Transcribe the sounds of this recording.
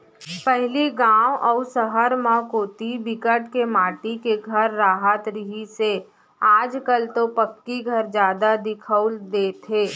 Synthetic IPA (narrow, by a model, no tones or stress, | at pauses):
pɛɦliɡãːwʔɔːsəɦəɾmãkoːt̪ibɪkəʈkemaːʈikeɡʱəɾːaːɦət̪ɾɪɦise | aːd͡ʒkəlt̪opəkːiɡʱəɾd͡ʒjaːd̪ad̪ɪkʰəʊld̪eːt̪ʰeː